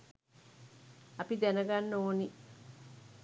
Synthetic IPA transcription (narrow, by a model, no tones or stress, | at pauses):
ɐpid̪ɛnəɡanːoːni